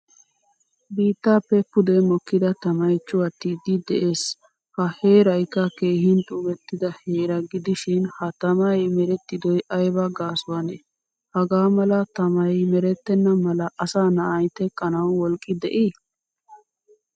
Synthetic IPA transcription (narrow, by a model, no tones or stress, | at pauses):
biːt̪ːaːpːɛpːʊd̪ɛmɔkːɪd̪ɐt̪ɐmɐjt͡ʃːʊɐt̪ːɪd̪ɪd̪ɛʔeːs | hɐheːɾɐjkːɐke̞ːhɪnt̪ʼʊbɛt̪ːɪd̪ɐheːɾɐɡɪd̪ɪʃɪnhɐt̪ɐmɐjmɛɾɛt̪ːɪd̪ɔjʔɐjbɐɡaːsʊwɐnɛ | hɐɡaːmɐlɐt̪ɐmɐjmɛɾɛt̪ːɛnːɐmɐlɐʔɐsaːnɐʔɐjt̪ɛkʼːɐnɐwːɔlkʼːɪd̪ɛʔi